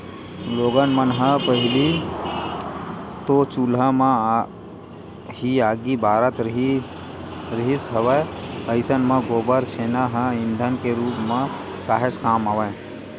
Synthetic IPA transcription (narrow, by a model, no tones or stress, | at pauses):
loːɡənmənɦə̃pəɦɪli | t̪ot͡ʃulɦəmə | ɦiaːɡibaːɾət̪ɾ | ɾəɦisɦəʋəəɪsənmə̃ɡoːbəɾsʰeːnaɦə̃ĩnd̪ʱənkeɾuːpmə̃ | kaːɦeskaːmaʋə